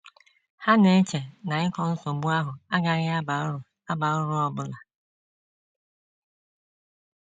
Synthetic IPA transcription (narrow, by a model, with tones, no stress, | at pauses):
ha˦ne˨˦t͡ʃe˨na˨ɪ˦kɔ˦n̩˦so˨bu˦a˦ɦʊ˨a˦ɡa˨ɾɪ˦a˦ba˨˦˨ | a˦ba˨ʊ˦ɾʊ˦ɔ˨bʊ˦la˨